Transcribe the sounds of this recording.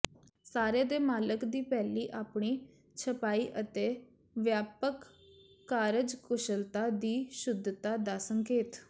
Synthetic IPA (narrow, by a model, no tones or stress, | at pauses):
saːɾeːd̪eːmaːləkd̪iːpɛːliːʔaːpɽ̃iː | t͡ʃʰəpaːiːʔət̪eː | ʋjaːpəkː | aːɾəd͡ʒkʊʃəlt̪aːd̪iːʃʊd̪ʱːt̪aːd̪aːsəŋkeːt̪